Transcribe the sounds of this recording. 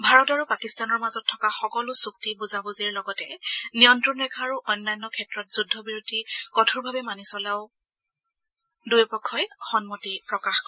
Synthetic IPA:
bʱaɹɔtaɹupakistanɔɹmazɔtʰːɔkaxɔkɔlʊsuk̚tibuzabuziɹlɔɡɔtɛnijɔntɹɔnɹɛkʰaːɹuʔɔjnːajnːɔkʰɛtɹɔtz̥udʱːɔbiɹutikɔtʰuɹbʱabɛmanisɔlaʊ | dujpɔkʰːɔjxɔnmɔtipɹɔkaxkɔ

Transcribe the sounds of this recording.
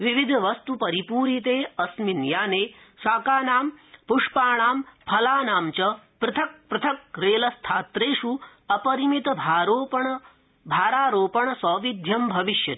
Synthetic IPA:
ʋiʋid̪ʱʋɐst̪upɐɾipuːɾit̪eːɐsminjaːneː | saːkaːnaːmpuʂpaːɳaːmpʰɐlaːnaːmt͡ʃɐpɾɪt̪ʰɐk̚pɾɨt̪ʰɐk̚ɾeːlɐst̪ʰaːt̪ɾeːʂuɐpɐɾimit̪bʱaːɾoːpɐɳ | bʱaːɾaːɾoːpɐɳɐsɔːʋid̪ʱjɐmbʱɐʋiʃjɐt̪

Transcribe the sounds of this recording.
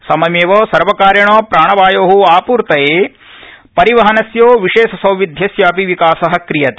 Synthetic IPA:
sɐmɐmeːʋɐːsɐɾʋɐkaːɾjɐɳoːpɾaːɳɐʋaːjoːɦuaːpuːɾt̪ɐjeː | pɐɾiʋɐɦɐnɐsjoːʋiʂeːʃɐsɐ̃wʋid̪ʱjɐsjaːpiʋikaːsɐɦɐ̆kɾijɐt̪e

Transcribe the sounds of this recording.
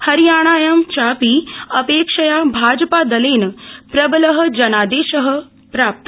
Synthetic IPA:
hɐɾijaːɽ̃aːjɐmt͡ʃaːpiɐpeːkʂɐjabʱaːd͡ʒɐpaːd̪ɐleːnpɾɐbɐlɐɦɐ̆d͡ʒɐnaːd̪eːʃɐɦə̆ | pɾaːp̚t̪ɐ

